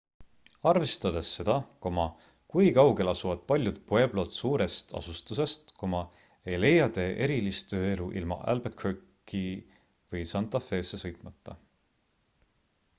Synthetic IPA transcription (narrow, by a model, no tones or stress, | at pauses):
ɑrve̞st̪ɑd̪̥esːe̞d̪̥ɑko̞mɑ | kujkɑwɡe̞lɑsuvɑd̪̥̚pɑlʲjud̪̚pue̞blo̞ːt̪suːɾe̞st̪ɑ̰sust̪use̞st̪komɑ | e̞jle̞jːɑd̪e̞ːʔe̞ɾilist̪t̪ø̞ːe̞luʔḭlmɑ̰ʔæ̰lbekhøkː | i | vɤjsɑnt̪ːˑɑfe̞ːsːe̞sɤ̞jt̪ˑmɑt̪ːɑ